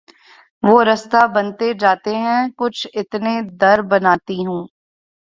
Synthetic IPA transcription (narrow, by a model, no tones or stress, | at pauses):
ʋoːɾɐst̪abɐnt̪ed͡ʒaːt̪eɦɛ̃kʊt͡ʃʰɪt̪ned̪ɐɾbɐnaːt̪iɦũː